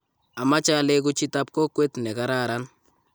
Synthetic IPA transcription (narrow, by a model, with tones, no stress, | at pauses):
a˨ma˦t͡ʃa˦lɛ˦k̬ʊ˦t͡ʃi˦ta˦p̚kɔ˦kwe˦tnɛ˨ka˦ɾa˦ɾa˦n